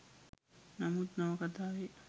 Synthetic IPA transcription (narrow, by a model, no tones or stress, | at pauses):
namut̪nɐʋɐkət̪aːʋe